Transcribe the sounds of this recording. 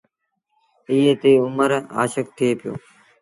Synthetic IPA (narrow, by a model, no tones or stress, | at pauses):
ɪjeːt̪eːʊməɾa̰ːʃək̚t̪ʰɪeːpɪjo̰ː